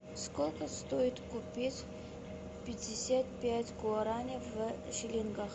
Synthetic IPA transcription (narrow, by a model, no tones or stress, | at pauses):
skolʲkəst̪ojɪt̪kʊpʲitʲ | pʲɪdʲɪsʲat̪̚pʲætʲɡʊɐɾanʲɪvə | ʂɪlʲinɡax